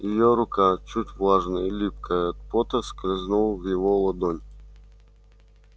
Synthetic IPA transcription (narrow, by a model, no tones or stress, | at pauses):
jɪjoɾʊkat͡ɕutʲvlˠaʐnəilʲip̚kəjəɐt̪̚pot̪əsklʲɪznulˠvjɪvolˠɐd̪onʲ